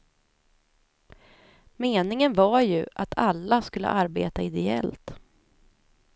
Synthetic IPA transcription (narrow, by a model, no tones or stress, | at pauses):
meːnɪŋənvaɾjɵʔat̪ʰalːaskɵlːə̰ʔaɾbḛːt̪aɪd̪ɛɛ̰lt̪